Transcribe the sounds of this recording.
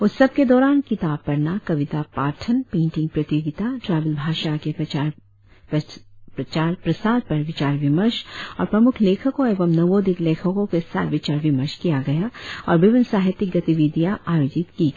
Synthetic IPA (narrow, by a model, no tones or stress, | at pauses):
ʊsːɐb̚ked̪ɔːɾaːnkɪt̪aːb̚pɐɾnakɐʋɪt̪abpaːɾʈʰənpẽːɳʈɪ̃ŋɡ̚pɾɐt̪joɡɪt̪aʈɾaːbəlbʱaːʃake | pt͡ʃaːɾpɾɐsaːd̪̚pɐɾʋɪt͡ʃaːɾʋɪməɾʃɔːɾpɾɐmʊkʰleːkʰəkõeːʋəmnɐʋõd̪ɪkleːkʰəkõkesa̰ːt̪ʋɪt͡ʃaːɾʋɪməɾʃkijaɡɐjaɔːɾbɪʋɪnsaːɦɪt̪ɪk̚ɡɐt̪iʋid̪ijãʔaːjoːd͡ʒɪt̪ki